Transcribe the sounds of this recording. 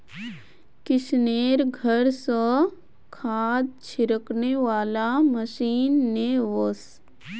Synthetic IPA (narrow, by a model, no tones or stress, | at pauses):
kɪʃneːɾɡʱəɾsə | kʰaːd̪̚t͡ʃʰɪɾəkneʋaːlaməʃiːnːeʋos